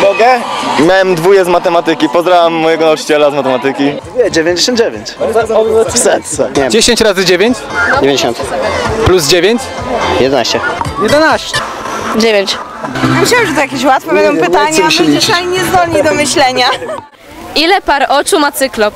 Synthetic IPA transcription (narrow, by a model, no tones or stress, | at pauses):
bɔɡɛmʲjawɛmd̪vujɛzmat̪ɛmat̪ɘkʲipɔzd̪ɾavamːɔjɛɡɔnaut͡ʂɨ̥t͡ɕɛlazmat̪ɛmat̪ɘkʲiɛd͡ʑevʲẽɲd͡ʑeɕ̬ɔnd̪̚d͡ʑevʲjeɲt͡ɕ | fsɛt̪ɛd͡ʑeɕeɲt͡ɕɾazɘd͡ʑevʲjeɲt͡ɕd͡ʑevʲẽɲd͡ʑeɕɔnt̪pluzd͡ʑevʲeɲt͡ɕjɛd̪ɛnaɕt͡ɕɛjɛd̪ɛnaɕt͡ɕɛ | d͡ʑevʲjeɲt͡ɕ | muɕawɛmʐɛt̪ujakʲeɕ̬wat̪fɛbɛnd̪ɔ̃w̃pɨt̪aɲaɛnalʲiɲɛzd̪ɔlɲid̪ɔmɘɕlɛɲa | ilɛpaɾʔɔt͡ʂumat̪sɘklɔ